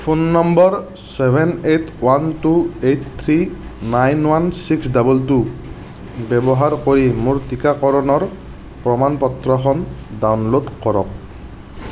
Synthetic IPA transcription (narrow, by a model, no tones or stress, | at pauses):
pʰonːɔmbɔɹ | sɛbʱɛnetʰwantuet̚ʰt̪ʰɹinajnwansiksdabultu | bɛbɔɦaɹkoɹimuɹtikakɔɹɔnɔɹ | pɹɔmanpɔtɹɔxʰɔndawnlodkɔɹɔ̰k̚